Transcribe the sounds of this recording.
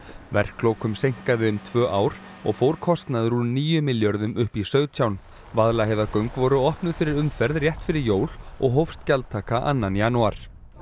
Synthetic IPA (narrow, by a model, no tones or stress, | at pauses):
vɛr̥klowkʏmsejŋ̥kaðɪʏmt̪ʰvœːʔaːwɾ̥ | ɔ̰ɣfowɾkʰɔst̪naðɾunniːjʏmɪljɔɾðʏmʏhpisœɥɣt̪ʰjawn | vaðlaɦejvðakœɥŋkvɔɾʏɔhpnʏðfɪɾɪɾʏmfɛɾðrjɛht̪fɪɾɪɾjoːwl̥ɔ̰ɣɦowfst̪calt̪ʰaːkaʔa̰nːanjanuaɾ̥